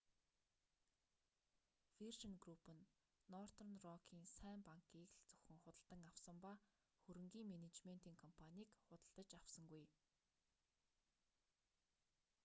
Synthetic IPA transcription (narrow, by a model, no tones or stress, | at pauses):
firʃə̆nɡrupɘ̆nː | ɔr̥t̪ʰɔrnrɔkʰiːnsæːmpaŋkʰiːkɮt͡sɵwxɘ̆ŋχʊt̪ə̆ɮt̪ə̆ŋawsə̆mpa | xuɾɘ̆ŋɡiːŋmenet͡ɕmen̥t̪iːŋkʰɔmpʰanʲiːkχʊt̪ə̆ɮt̪ə̆t͡ɕawsə̆ŋɡuj